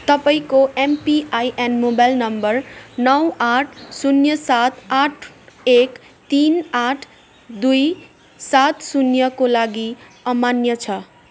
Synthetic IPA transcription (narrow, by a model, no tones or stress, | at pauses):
t̪ʌpaĩkoʔempiʔajʔenmobajlnʌmbʌrnʌwaʈʰsunjʌsat̪ʰaʈʰ | ek | t̪inaʈʰ | d̪uj | sat̪sunjʌkolaɡiʌmanjʌt͡sʰʌ